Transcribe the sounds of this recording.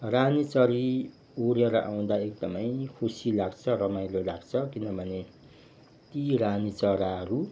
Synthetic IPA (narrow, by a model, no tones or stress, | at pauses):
ranit͡sʌɾi | oɾeɾʌʔaw̃d̪aek̚d̪ʌmʌjkʰusilaɡt͡sʰʌrʌmaj̃lolaɡt͡sʰʌkinʌbʱʌne | t̪iranit͡sʌɾaʌɾu